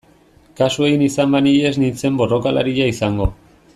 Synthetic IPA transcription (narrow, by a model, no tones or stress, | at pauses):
kasue̞inisambaniʎe̞znint͡se̞mbo̞ro̞kala̰ɾiʎaisaŋɡo̞